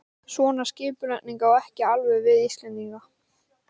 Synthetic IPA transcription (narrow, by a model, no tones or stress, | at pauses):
svɔːnascɪːpʏlɛʔ̪niŋkawɛhcɪalvɛvɪðist̪lɛnt̪iŋka